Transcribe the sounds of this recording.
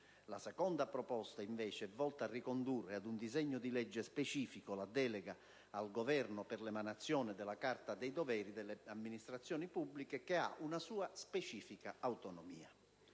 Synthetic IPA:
lasɛkɔnd̪apɾɔpɔst̪aiɱvɛːt͡ʃeɛvːɔlt̪aːrːikond̪urːead̪und̪izɛɲːʊd̪ilɛd͡ʒːespet͡ʃiːfikolad̪ɛːlɛɡa | alɡovɛrnʊpɪrlɛmanat̪sːjɔːnɪd̪ɛlakart̪ad̪ɛjd̪ovɛːɾid̪ɛlːeamːinist̪ɾat̪sːjɔːnipubːlikekea̰ʔunasuːaspet͡ʃiːfikaawt̪onɔmḭːa

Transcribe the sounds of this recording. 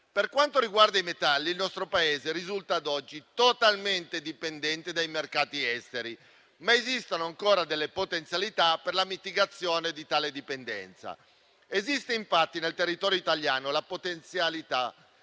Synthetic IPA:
perkwant̪oɾiɡward̪aimet̪alːiːlnɔst̪ɾopaeːzeɾizult̪aːd̪ɔd͡ʒːit̪ot̪alment̪ed̪ipend̪ɛnt̪id̪ajmerkaːt̪iɛst̪eɾi | maezist̪anoaŋkoːɾad̪elːepot̪ent̪sjalit̪aperlamit̪iɡat̪sːjoːned̪it̪aːled̪ipend̪ɛ̰nt̪sa̰ | ezist̪eiɱfat̪ːinelt̪erːit̪ɔːɾjoit̪aljaːnolapot̪ent̪sjalit̪a

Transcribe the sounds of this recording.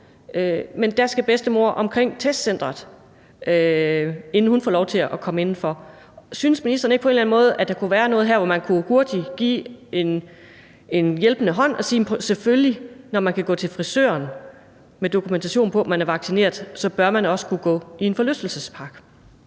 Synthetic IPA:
mend̥æsɡ̥æb̥esd̥əmo̝ɐʔɒ̽mkʰʁeŋ̰t͡sʰesd̥sen̰d̥ʁɐðˠ | e̝nn̩hunfɔ̰ːlɒʊt͡sʰe̝læækʰɒ̽məe̝nn̩fɒ̽ | synəsminisd̥ɐːn̩eɡ̥əpɒ̽e̝nlæn̩mɔ̽ːð̞̩ˠʔæd̥ɑ̈kʰuʋæːɐnɔ̽ːð̞̩ˠɦæɐ̰ʋɒmænkʰuɡ̥uɐd̥iɡ̥ḭːen | e̝njelb̥ənəɦɒ̽n̰ɒ̽siːm̩pʰɒsefølinɒmænkʰæɡ̥ɔ̰̽ːt͡sʰe̝lfʁisø̰ːɐn | med̥o̝kʰument͡sʰæɕo̝̰ːn̩pʰɒ̽mænæɐʋɑ̈ɡ̥sine̝̰ːɐðˠsɒ̽b̥ɶɐmænɒ̽sə̥kʰuɡ̥ɔ̰̽ːie̝nfɒ̽løfd̥l̩səspʰɑ̈ɡ̥

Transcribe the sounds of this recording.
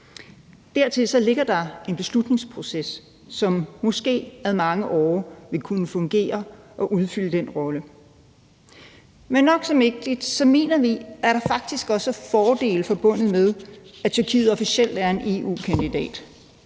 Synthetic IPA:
d̥æɐt͡sʰe̝lsɒ̽le̝ɡ̥ɐd̥ɑ̈e̝nb̥e̝slud̥ne̝ŋspʰʁo̝sesː | ɒ̽mːɔ̽sɡ̥e̝̰ːæðˠmɑ̈ŋəʔɒ̰ːʋe̝kʰunəfɔ̽ŋɡ̥e̝̰ːɐ | ʔɒ̽ʔuð̞ˠfyl̰əd̥enʁɒ̽lə | menːɒ̽ɡ̥sɒ̽meɡ̥̚d̥id̥sɒ̽me̝̰ːnɐʋiæɐɾ̥ɑ̈fɑ̈ɡ̥̚d̥isɡ̥ɒ̽səfɒːd̥e̝̰ːləfɒ̽b̥ɔ̽n̰ð̞̩ˠmeðˠæt͡sʰyɐkʰḭːð̩ˠɒ̽fisel̰d̥æɐe̝ne̝̰ṵːkʰænd̥id̥ɛ̰ːd̥

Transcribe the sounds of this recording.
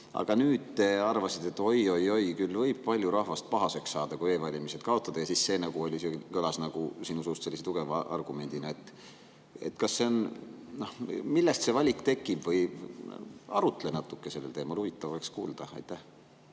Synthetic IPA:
ʔɑ̰ɡ̥ɑnyːd̪̥̚t̪eɑrvɑsid̪e̞t̪ːˑo̞jo̞jo̞jkylːvɤjb̥̚pɑlʲjuɾɑhvɑst̪̚pɑɦɑse̞ksːɑːd̪̥ɑkue̞ːvɑlʲimise̞d̪̥kɑo̞t̪ːˑɑd̪ɑjɑsisse̞ːnɑɡ̥uo̞lʲisekølɑsnɑɡ̥usiːnusust̪se̞lːiset̪uɡ̥e̞vɑʔɑ̰rɡ̥ume̞nd̪inɑet̪ˑː | ḛt̪kɑsːe̞onnohmilːest̪se̞vɑlʲikˑt̪e̞kːˑib̥vɤj | ɑɾut̪ːˑelenɑt̪ːˑukːˑese̞lːelt̪e̞ːmɑluvit̪ːˑɑvɑkskṵːld̪̥ɑɑ̰jt̪ːæh

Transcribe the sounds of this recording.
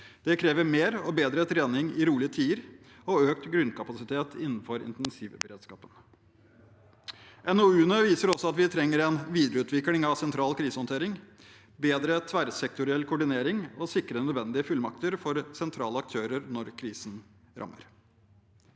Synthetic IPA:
d̪̥ɛkʰɾeːʋəɾmeːɾɔbeːd̪ɾət̪ʰɾeːnɪŋɪɾuːlɪət̪ʰiːəɾ | ɔøːk̚t̪ɡɾʉnkʰɑpɑsɪt̪ʰeːt̪ʰɪnːn̩fɔɾɪ̰nt̪ɛnsiːʋəbəɾeːd̪skɑ̰ːpən | ʔɛnoʉːnøʋiːsəɾɔsːɔɑt̪ʋɪt̪ʰɾɛŋːəɾɛnʋiːd̪əɾəʉːt̪ʋɪkːlɪŋɑʋsɛnt̪ʰɾɑːlkʰɾiːsəhɔnt̪ʰeːɾɪŋ | beːd̪ɾət̪ʰʋæɾsɛkt̪ʊɾɪɛlkʰʊɖɪneːɾɪŋɔsɪkːɾənœd̪ʋɛnd̪ɪəfʉlmɑk̚t̪əɾfɔɾsɛnt̪ʰɾɑ̰ːləɑk̚t̪ʰøːɾəɾnɔɾkʰɾiːsən̩ | ɾɑ̰mːə̰ɾ

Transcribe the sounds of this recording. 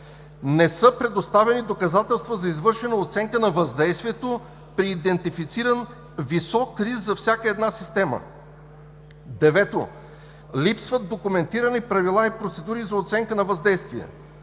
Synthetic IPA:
nɛsɤpɾɛd̪ost̪avɛnid̪okɐzat̪ɛlˠst̪vəzɐizvɤɾʃɛnəot̪sɛŋkənɐvɐzd̪ɛjst̪viɛt̪o | pɾiːd̪ɛnt̪ifit̪siɾən | visɔkɾizzɐfsʲjakəɛd̪nasist̪ɛmə̰ | d̪ɛvɛt̪o̰ | lipsvət̪̚d̪okʊmɛnt̪iɾənipɾɐvilˠaipɾot̪sɛd̪uɾizɐot̪sɛŋkənɐvɐzd̪ɛjst̪viɛ̰

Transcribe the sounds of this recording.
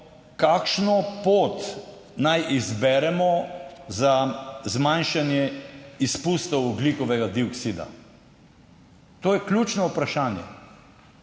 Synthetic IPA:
kakʃnɔpoːt̪ | najʔizbɛɾɛmɔzazmanʃanjɛispust̪ɔwɔblikɔʋɛɡad̪iɔksid̪a̰ | t̪oːjɛklʲjut͡ʃnɔupɾaʃaːnjɛ̰

